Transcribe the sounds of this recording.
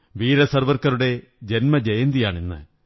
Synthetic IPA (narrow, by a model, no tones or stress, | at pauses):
ʋiːɾɐsɐrʋɐrkɐɾuɽe̞ | d͡ʑe̞nmɐd͡ʑejɐnd̪ijaːɳinːɨ̰